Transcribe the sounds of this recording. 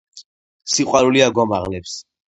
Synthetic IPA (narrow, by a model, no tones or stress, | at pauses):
siqʼwaɾuliaɡɔmaʁnɛps